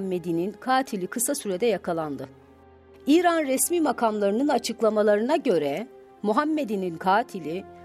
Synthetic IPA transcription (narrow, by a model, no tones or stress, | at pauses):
mːed̪ininkʰaːt̪ʰilʲikʰɯsasyɾɛd̪ɛjakʰalˠand̪ɯ | iːɾanɾɛsmiːmakʰamlˠaɾɯnɯnat͡ʃʰɯklˠamalˠaɾɯnaɟø̞ɾɛ | muɦamːed̪ininkʰaːt̪ʰilʲi